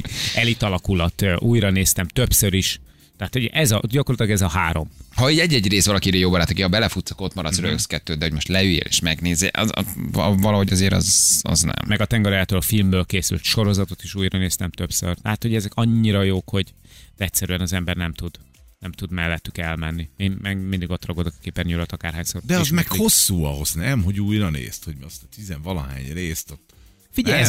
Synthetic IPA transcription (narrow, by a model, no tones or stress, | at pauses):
ɛlit̪ɒlɒkulɒt̪ːʔuːjɾɒneːst̪ɛmt̪øpsøɾiʃ | t̪ɛɦat̪hoɟɛzɒɟɒkorlɒt̪ilɒɡɛzɒɦaːɾo̞mhɒiɟɛɟːɛɟreːst̪ɒlɒkiɾejoːbɒɾaːt̪okihɒbɛlɛfut̪sɒ̥ko̞t̪mɒɾɒt̪sɾøkskɛt̪ːøːd̪d̪ɛhoɟmo̞ʃt̪lɛilḛːʃmɛɡneːzeʔz̰vɒlɒɦo̞ɟɒzeːɾɒ̰zɒ̰znɛ̰mmɛɡɒt̪ɛŋɡɒɾaːlt̪ɒlɒfilmbøːlkeːsy̰lt̪ʃo̞ɾo̞zɒt̪o̞t̪iʃuːjrɒneːst̪ɛmt̪ø̞psø̰rt̪ɛɦat̪ho̞ɟɛzɛkɒɲːiɾɒjoːkho̞ɟd̪ɛct̪sɛɾyɛnɒzɛmbɛrnɛmt̪ud̪ | nɛmt̪ud̪mɛlːɛt̪ːykɛlmɛnːieːnmɛɡmind̪iɡo̞t̪rɒɡod̪okɒ̥keːpːɛnɲuɾot̪ɒkaːrɦaːɲsoɾd̪ɛɒʃzmɛkho̞sːuːɒɦo̞znɛmɦo̞ɟuːjrɒnḛːst̪hoɟmɒst̪izɛɱvɒlɒ̰ɦa̰ːɲreːst̪ot̪ː | fiɟɛj